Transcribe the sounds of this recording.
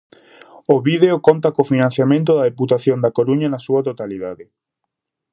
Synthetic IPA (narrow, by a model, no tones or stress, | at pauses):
oβiðeokont̪ɐkofinãn̟θjamẽnt̪̬oðɐðeput̪aθjond̪ɐkoɾuɲɐnɐsuɐt̪ot̪aliðaðɪ